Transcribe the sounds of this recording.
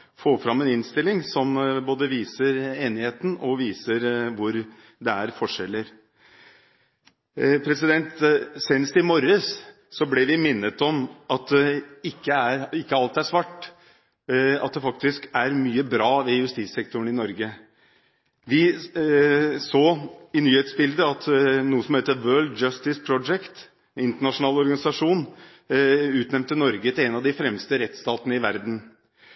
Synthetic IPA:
foːfɾɑmːɛnɪnst̪ɪlːɪŋsɔmboːd̪əʋiːsəɾeːnɪheːt̪n̩ɔʋiːsəɾʋʊɾ | d̪ɛæɾfɔʂɛlːəɾ | pʰɾɛsɪd̪ɛnt̪sɛːnəst̪ɪmɔɾəs | sɔblɛʋɪmɪnːət̪ɔmʔɑt̪̚d̪ɛɪkːəæɾɪkːəɑlt̪æʂʋɑʈː | ɑ̰t̪̚d̪ɛfɑk̚t̪ɪskæɾmyːəbɾɑːʋɛjʉst̪issɛk̚t̪ʊɳ̩ɪnɔɾɡə | ʋɪ | soːɪnyːheːt̪sbɪld̪əɑt̪nuːəsɔmheːt̪əʋɜːɭd̪d͡ʒɑst̪ɪspʰɾɔd͡ʒɛkt̪ | ɪnt̪əɳɑʂʊnɑːlɔɾɡɑnɪsɑʂuːn | ʉːt̪nɛmnt̪ːənɔɾɡət̪ʰɪlɛnɑʋd̪ɪfɾɛmst̪əɾɛt̪st̪ɑːt̪ənəɪʋæɾd̪n̩

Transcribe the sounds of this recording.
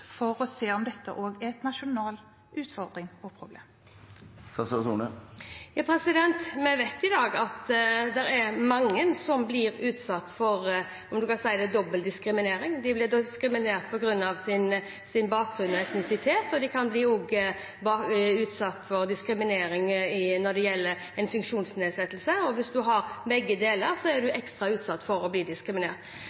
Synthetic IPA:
fɔɾɔseːɔmd̪ɛt̪ːə̰ʔoːɡæt̪nɑʃʊnɑːl | ʉːt̪fɔɾd̪ɾɪŋɔpʰɾʊblḛːm | sɑsɑsṵnəjɑːpʰɾɛsɪd̪ɛnt̪mɛʋet̪ɪd̪ɑːɡɑt̪d̪ɛɾæɾmɑŋːənsɔmblɪɾʉːt̪sɑt̪ːfɔɾ | ɔmd̪ʉkɑsæɪəd̪ɛd̪ɔbːəld̪ɪskɾɪmɪneːɾɪŋd̪ɪblɪd̪skɾɪmɪneːt̪̚pʰɔɡɾʉnːɑʋsɪn | sɪnbɑːk̚ɡɾʉnɔɛt̪nɪsɪt̪ʰeːt̪ɔd̪ɪkʰɑnbliːuːɡə | bɑʉːt̪sɑt̪ːfɔɾd̪ɪskɾɪmɪneːɾɪŋɪnɔd̪ɛjɛlːəɾ | ɛnfʉŋkʂuːnsneːd̪sɛt̪ːəlsəɔʋɪsd̪ʉɦɑɾbɛɡːəd̪eːləɾsɔæɖʉʔɛkst̪ɾɑʉːt̪sɑt̪ːfɔɾɔbliːd̪ɪskɾɪmɪnḛːt̪

